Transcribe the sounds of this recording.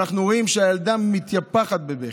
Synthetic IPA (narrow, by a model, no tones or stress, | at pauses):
aχnuʁo̞imʃeaeld̪amːit̪japaχat̪̚bebe